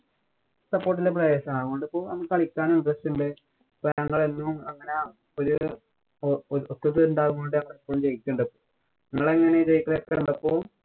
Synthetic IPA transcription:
sɐpːoːʈ̬ːilep̬rɐjeːɕɐmaːɣkoɳɖɨɐpːo̞ːɭnɐ̰mːɐkːɐɭikʲːaːnuɳɖrɐstuɳɖɨ | pːoːɲɐŋːɐɭenːumɐŋːɐne | oɾu | ot̪ːɐt̪ːɨuɳɖaːɣuŋɡoɳɖɨɲɐŋːɐɭipːoːumt͡ɕe̞jikʲːuːɳɖɐpːoː | nɐŋːɐɭeŋːɐnet͡ɕejikːɐɭekːeuɳɖɐpːo̞ː

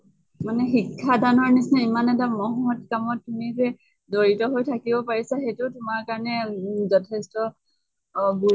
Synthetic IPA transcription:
manɛxikʰːadanɔɹnisnɛimanɛtamɔɦɔɦɔtkamɔtːumizɛ | doɹitɔɦojtʰakibɔpaɹisaxetʊtʊmaɹkaɹɔnɛzɔtʰɛstɔ | ɡu

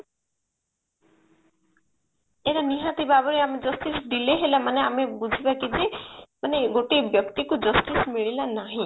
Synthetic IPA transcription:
eɾaniɦãt̪ibabɔɾeamed͡ʒɔst̪isɖileɦelamaneamebud͡ʒʱibakid͡ʒemaneɡoʈibjʌkt̪ikud͡ʒɔst̪ismiɭilanaɦĩ

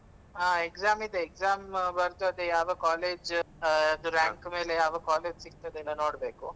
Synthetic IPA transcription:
aːekzaːmid̪eːkzaːmbɐɾt̪uɐd̪ejaːʋɐkaːleːd͡ʒ | ɐd̪uɾaːŋkme̞ːlejaːʋɐkaːle̞ːd͡ʒsiɡ̚t̪ɐd̪eɛlːɐno̞ːɽbeːku

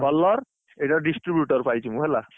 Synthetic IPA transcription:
bɔlːɔɹ | etaɖisʈɹibjuʈɔɹpajt͡ʃʰimũɦɛla

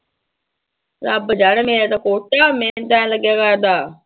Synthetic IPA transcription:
ɾaːbəd͡ʒaːɽmeːɾaːt̪aːkoːʈaːmɛ̃ːt̪ãːləɡjaːkaɾd̪aː

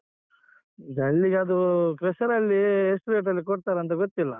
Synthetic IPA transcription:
id̪ɐɭːiɡeɐd̪ukɾesɐɾɐlːiesʈuɾeʈ̬ɐlːikoɽt̪aːɾeɐnt̪ɐɡot̪ːilːɐ

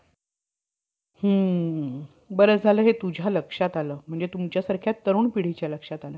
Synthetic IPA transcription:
hə | bəɾəd͡zʱaləːɦet̪ud͡ʑʱaləkʂat̪aləːm̤əɳd͡zet̪umt͡ɕjasaɾkʰjat̪ːəɾuːɳpiɽ̤it͡ɕjaləkʂat̪aləː

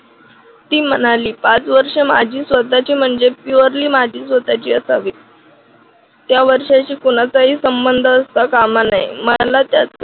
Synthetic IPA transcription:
t̪iːmənaliːpat͡sʋəɾʂema̰d͡ʑʱiːsʋət̪at͡ɕiːm̤əɳd͡zepuəɾliːmad͡ʑʱiːsʋət̪at͡ɕiːəsaʋiː | t̪jaʋəɾʂat͡ɕiːkoñat͡saɦiːsəmbənd̪ʱəːst̪akamanajməlat̪jat͡s

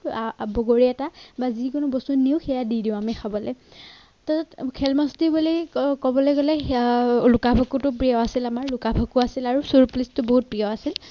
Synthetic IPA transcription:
bɔɡoɹiɛtabazikʊnʊbɔstunːiʊxʰɛjadidiʊ̃amixʰabɔlɛ | tatatkʰɛlmɔstibulikɔbɔlɛɡɔlɛ | lukabʱɔkutʊpɹijɔasilamaɹlukabʱokuasilaɹusuɹplistʊboɦut̚pɹiaasil

